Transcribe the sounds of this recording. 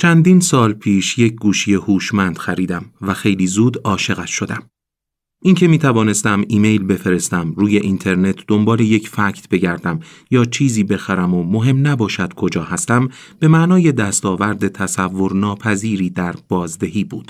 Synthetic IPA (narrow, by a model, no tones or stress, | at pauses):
t͡ʃʰænd̪iːnsɒːlpʰiːʃjec̚ʰɡuːʃije̞huːʃmænd̪̥xæɾiːd̪æmvæxe̞jliːzuːd̪ɒːʃe̞ɣæʃʃo̞d̪æm | ʔiŋcʰe̞miːt̪ʰævɒːne̞st̪æmiːme̞jlbe̞fe̞ɾe̞st̪æmɾuːje̞ʔint̪ʰe̞ɾne̞t̪ʰd̪o̞mbɒːle̞je̞cʰfæcʰt̪ʰb̥e̞ɟæɾd̪æm | jɒːt͡ʃʰiːziːbe̞xæɾæmomo̞ɦe̞mnæbɒːʃæd̪̥kʰo̞d͡ʒɒːhæst̪æm | b̥e̞mæʔnɒːje̞d̪æst̪ɒːvæɾd̪e̞t̪ʰæsævːo̞ɾnɒːpʰæziːɾiːd̪æɾb̥ɒːzd̪e̞ɦiːbuːd̪̥